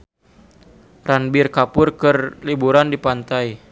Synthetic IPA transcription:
ranbɪrkapʊrkɨrlibuɾandipant̪aj

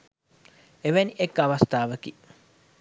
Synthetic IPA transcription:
eʋæniʔekːɐʋɐst̪aːʋəki

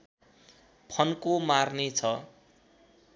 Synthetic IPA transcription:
pʰʌnkomarnet͡sʰʌ

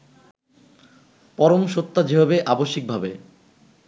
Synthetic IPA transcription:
pɔɾomʃot̪ːad͡ʑeɦabeʔaboʃːik̚bʱabe

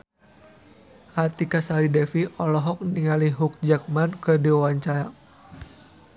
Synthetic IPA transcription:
ʔat̪ikasaɾidɛfiʔɔlɔɦɔk̚niŋaliɦuk̚d͡ʒak̚mankədiɔwaɲt͡ʃaɾa

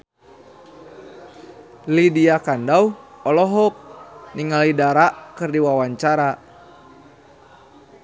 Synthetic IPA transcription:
lidiakandauɔlɔɦɔk̚niŋalidaɾaʔkɨrdiwawaɲt͡ʃaɾa

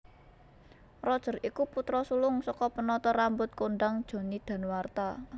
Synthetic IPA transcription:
rɔd̥ʒ̥ə̤rikuput̪ɾɔsulʊŋsɔkɔpənɔt̪ɔɾambʊt̪̚konɖ̪aŋd̥ʒ̥o̤nid̪̥a̤nwart̪a

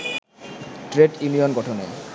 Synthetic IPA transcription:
ʈɾeʈunijonɡɔʈʰone

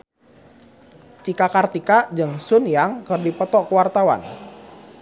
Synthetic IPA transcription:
t͡ʃikakart̪ikad͡ʒɨŋsʊnjaŋkɨrdipɔt̪ɔʔkəwart̪awa̰n

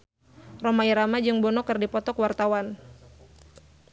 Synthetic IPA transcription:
rɔmaiɾamad͡ʒɨŋbɔnɔkɨrdipɔt̪ɔkwart̪awan

